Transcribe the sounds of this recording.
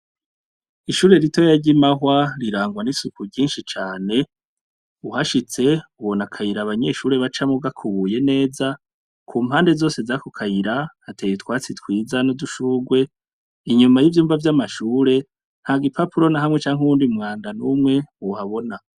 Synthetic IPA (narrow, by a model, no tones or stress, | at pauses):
iʃuːɾe̞ɾito̞jaɾɟimaɦwaɾiɾaːŋɡwanisukuɟiːnʃit͡ʃaːne̞ | uhaʃit͡se̞uβo̞nakʰajiɾaβaɲe̞ʃuːɾe̞βat͡ʃamuɡakʰuβuje̞ne̞ːza | kʰuːmhaːnde̞zo̞ːse̞zakokʰajiɾahatʰejitwaːt͡sitwiːzanoduʃuːɡwe̞ | iɲumajivjuːmvavjamaʃuːɾe̞ | n̥haɡipʰapuɾo̞naɦamŋe̞t͡ʃaːŋhuuːndimŋaːndanumŋe̞uhaβo̞na